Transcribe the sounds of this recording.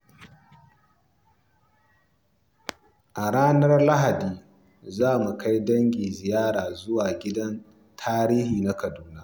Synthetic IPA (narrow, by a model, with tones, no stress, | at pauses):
ʔa˨ɽaː˦nɐ˦rla˦ɦa˨diː˨ | zaː˦˨mu˨ka˦jdɐ˦ŋɡʲiː˨zɪ˨jaː˦ɽaː˨zʊ˦waː˨ɡʲɪ˦dɐ˦n | tʰaː˦ɾiː˦hiː˨na˦kɐ˨duː˦na˦